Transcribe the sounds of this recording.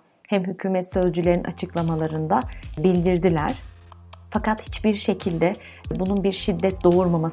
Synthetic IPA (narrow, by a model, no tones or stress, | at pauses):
hæmɦycʰyːmɛt̪sø̞zd͡ʒylʲe̞ɾinʔa̰t͡ʃʰɯklˠamalˠaɾɯnd̪abilʲd̪iɾd̪ilʲæɾ̥ | fakat̪hi̥t͡ʃbiɾʃe̞cʰilʲd̪ɛ | bununbiɾʃid̪ːɛt̪̚d̪o̞uɾmamas